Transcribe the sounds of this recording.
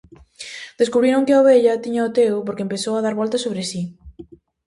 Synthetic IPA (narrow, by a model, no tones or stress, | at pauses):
d̪̥eskuβɾiɾõŋkɪaoβeʎɐt̪iɲaot̪ewpoɾkempeθowaðaɾβɔlt̪ɐsoβɾesi